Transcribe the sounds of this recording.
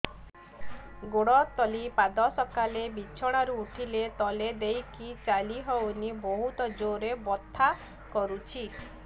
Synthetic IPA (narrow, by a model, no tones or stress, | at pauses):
ɡoɽɔt̪ɔlipad̪ɔsɔkalebit͡ʃʰɔɽ̃aɾuːʈʰilet̪ɔled̪ejkit͡ʃaliɦɔwnibɔɦut̪ɔd͡ʒoɾebɔt̪ʰːa | kɔɾut͡ʃʰi